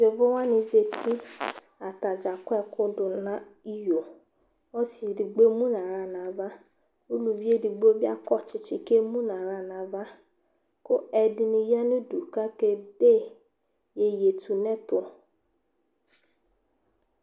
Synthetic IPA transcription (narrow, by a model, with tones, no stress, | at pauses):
je˨vʊ˦wa˦nĩ˧ze˧tʰi˦ | a˨ta˨d͡ʒa˨kʷɛ˦˧kʊ˧dʊ˧nã˦i˦˨jo˨ | ɔ˦si˨di˨ɡ͡be˦mũ˦nã˨ɾa˦˨nã˨˦va˦ | u˦lu˧vi˦e˦˨di˧ɡ͡bo˦bi˦a˦kɔ˦˨t͡ʃɪ˧t͡ʃɪ˧ke˦mũ˦nã˨ɾa˦˨nã˨va˦ | ko˦ɛ˧dɪ˧nĩ˧˦ja˦nũ˦du˨ka˦ke˧de˦˨ | je˧je˨tʰu˨nɛ˦tʊ˧